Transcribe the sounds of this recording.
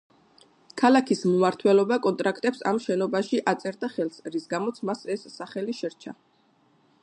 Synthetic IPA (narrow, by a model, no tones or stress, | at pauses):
kʰalakʰismumaɾt̪ʰwɛlɔbakʼɔnt̪ʼɾakʰt̪ʼɛpsa̰mʃɛnɔbaʃiʔat̪sʼɛɾd̪aχɛlˠsɾisɡamɔt̪sʰmasɛsːaχɛliʃɛɾt͡ʃʰa̰